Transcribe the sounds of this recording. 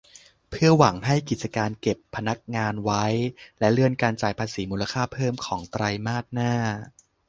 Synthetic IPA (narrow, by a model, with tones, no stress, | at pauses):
pʰɯ˥˩ɐwa˩˦ŋɦa˥˩jki˨˩t̪̚t͡ɕa˧kaː˧nke˨˩pʰːa˧na˦˥k̚ŋaː˧nwa˦˥jlɛ˦˥lɯ˥˩ənkaː˧nt͡ɕaː˨˩jpʰaː˧siː˩˦muː˧la˧kʰaː˥˩pʰɤː˥˩mkʰɔː˩˦ŋt̪ɾa˧jmaː˥˩t̪̚naː˥˩